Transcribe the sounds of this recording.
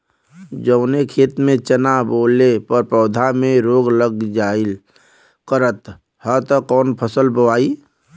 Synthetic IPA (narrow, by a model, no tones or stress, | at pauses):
d͡ʒəʊnekʰeːt̪mẽt͡ʃənaboːlepəɾpɔːd̪ʱamẽɾoːɡləɡd͡ʒaːɪl | kəɾət̪ | hət̪əkɔːnpʰəsəlbəʋaːi